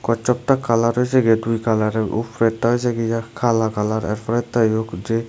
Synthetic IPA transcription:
kɔt͡ʃɔp̚takalaɾɦɔjseɡedujkalaɾeṵpʰɾɛtːaɦɔjs̬eɡɛjakʰalakalaɾɛ̰ɾpʰɔɾɛtːajokd͡ʒe

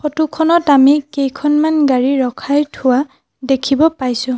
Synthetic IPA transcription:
xɔtukʰɔnɔtamikejkʰɔnmanɡaɹiɹɔkʰajtʰʊwa | dekʰibɔpajsʊ̃

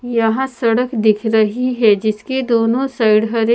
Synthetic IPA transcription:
jɐɦãsɐɽəkd̪ɪkʰɾɐɦiɦɛd͡ʒɪsked̪oːnõsaɪɽɦəɾe

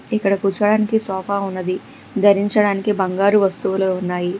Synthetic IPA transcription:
ikːɐɽɐkuːt͡ʃɐɽaːnikisɔːpaːunːɐd̪i | d̪ʱɐɾiɲt͡ʃɐɽaːnikibɐŋɡaːɾuʋɐst̪uʋuloːunːaːji

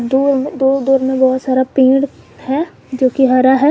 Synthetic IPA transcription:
d̪uːɾd̪uːɾd̪uːɾmẽbɔːt̪saːɾaːpĩːɽ | hɛː | d͡ʒoːkiɦaɾaɦɛː

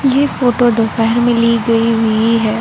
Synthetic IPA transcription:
jefoːʈod̪opɛɦɾmẽliɡɐiɦʊiɦɛː

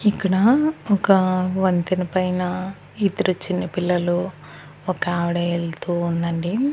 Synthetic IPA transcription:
ikːɐɽɐɔkɐʋɐnt̪inɐpɐjnɐ | it̪ɐɾut͡ʃːinːɐpilːɐlu | ɔkaːʋɐɽɐelt̪uːnd̪ɐɳɖi

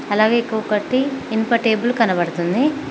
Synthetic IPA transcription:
ɐlaːɡeːekːuʋɐkɐʈːiːnpɐʈeːbulkɐnɐbɐɽɐt̪und̪i

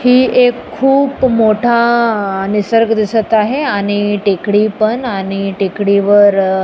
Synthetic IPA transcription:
hiːʔekʰːuːbmoʈʰanisəɾɡd̪isət̪aɦeaɽ̃iʈekɽipəɳaɽ̃iʈekɽiʋəɾ

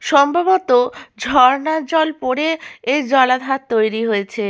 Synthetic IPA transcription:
ʃɔmbʱabot̪od͡ʑʱɔɾnad͡ʑɔlpoɾeed͡ʑɔlad̪ʱat̪t̪ːojɾiɦoet͡ɕʰe

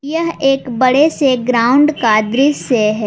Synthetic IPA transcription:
jɐɦeːkbɐɽeseɡɾaːʊ̃ɳɖkaːd̪ɾiseɦɛː

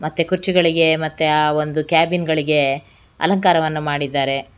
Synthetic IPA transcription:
mɐt̪ːekuɾt͡ʃiɡɐɭiɡe̞mɐt̪ːeaond̪ukjaːbinɡɐɭiɡe̞ | ɐ̰lɐŋkaːɾɐʋɐnːumaːɽid̪ːaːɾe̞

